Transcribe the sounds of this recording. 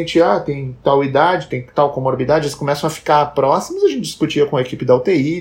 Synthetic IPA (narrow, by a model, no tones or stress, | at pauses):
nt͡ʃɪat̪ẽj̃t̪awid̪ad͡ʒɪt̪ẽj̃t̪awkõmoɾbid̪ad͡ʒɪɛɪskõmɛsɐ̃w̃ɐfi̥kaɾpɾɔsimʊzɐʒẽnt͡ʃɪd͡ʒ̪ɪ̥iskut͡ʃiɐkõɐekipɪd̪ɐʊt̪ei